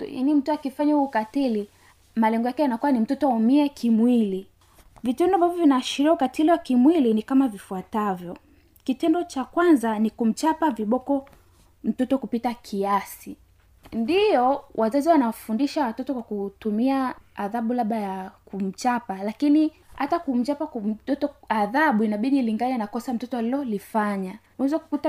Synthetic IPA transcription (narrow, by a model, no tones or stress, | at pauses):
ja̰nim̩tuakifaɲahuːkatili | malɛŋɡɔjakɛjanakuwanim̩tɔtɔaumiɛkʰimwili | vitɛndɔambavɔvinaːʃiɾiaukatiliwakimwilinikamavifuatavjɔ | kitɛndɔt͡ʃakwanzanikum̩t͡ʃapaviɓɔkɔ | m̩tɔtɔkupitakʰiasi | ndijɔwʔazaziwanawafundiʃawatɔtɔkwakutumiaːðaɓulaɓajakum̩t͡ʃapalakini | hatakum̩t͡ʃapam̩tɔtɔaðaɓuinaɓiɗiliŋɡanɛnakɔsam̩tɔtɔalilɔlifaɲa | uɛzaku̥kuta